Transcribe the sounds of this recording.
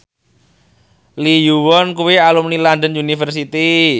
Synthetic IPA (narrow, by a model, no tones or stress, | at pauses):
lijuwɔnkuwealumnilandənunifərs̬it̪i